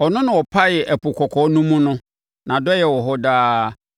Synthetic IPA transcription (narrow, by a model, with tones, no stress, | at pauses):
ɔ˨nʊ̃˦nʊ̃˨wɔ˨pʰa˦jɛ˨ʔɛ˨pʰʊ˨kʰɔ˨kʰɔ˨˦nũ˦mũ˦nʊ̃˦ | nã˨dɔ˦jɛ˨wɔ˨ɦɔ˦daː˦